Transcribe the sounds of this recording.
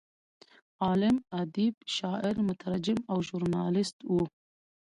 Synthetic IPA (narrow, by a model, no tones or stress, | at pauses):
ɑːlɪmad̪ibʃɑːʔɪɾmʊt̪ʰaɾad͡ʒɪmawʒuɾnɑːlɪst̪wu